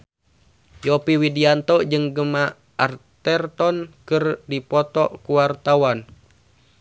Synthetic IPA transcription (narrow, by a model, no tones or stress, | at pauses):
jɔpiwidiant̪ɔd͡ʒɨŋɡəma | art̪ɛrt̪ɔnkɨrdipɔt̪ɔkuwart̪awan